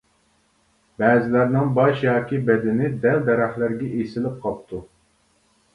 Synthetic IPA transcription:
bɛːzɪlæɾnɪŋbɑʃjɑːkʲibɛd̪ɪnɪd̪ɛld̪ɛɾæχlˠæɾɡʲɛʔesɪlɪp̚qʰɑp̚t̪ʰu

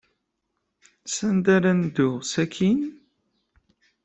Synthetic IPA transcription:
sænd̪aɾænd̪ʊʁsækʰin

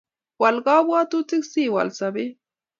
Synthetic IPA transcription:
wɑlɢɑːbwat̪ʊt͡sɪksiwa̰lsabɪ

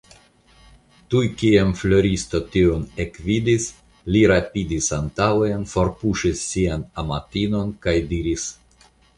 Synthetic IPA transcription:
tujkiemflo̞ɾist̪o̞tionekvidis | liɾapidisantawenfo̞ɾpuʃisːianamatino̞nkajdiɾis

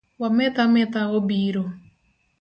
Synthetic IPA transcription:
wamɛt̪amɛt̪aɣobiɾo

